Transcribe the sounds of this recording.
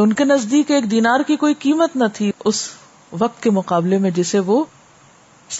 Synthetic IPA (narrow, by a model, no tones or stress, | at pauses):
ʊnkenɐzd̪iːkeːkd̪iːnaːɾkikoːikiːmət̪nat̪ʰiʊs | ʋɐq̚t̪kemʊqaːblemẽd͡ʒɪseʋo | ɪs